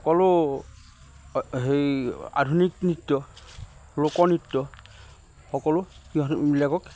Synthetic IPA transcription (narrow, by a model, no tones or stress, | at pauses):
ɔkɔlʊ | ɦeja̰dʱuniknitːɔ | lokɔnitːɔ | xɔkɔlʊkiɔmilakɔk